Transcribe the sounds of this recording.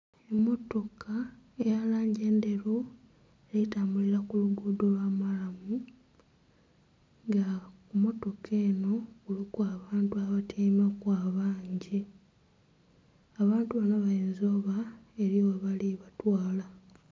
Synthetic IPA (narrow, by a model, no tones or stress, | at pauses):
emːo̞to̞kʰaejalaːɲɟe̞ːnde̞ɾo | elitaːmbuliɾakuluɡuːdolwaːmalamu | ŋɡakumo̞to̞kʰe̞ːno̞kulikuaβaːntuaβatʰemakwaːβaːɲɟi | aβaːntuβanoβaeːnzo̞βae̞ɾjoweβaliβatwaːla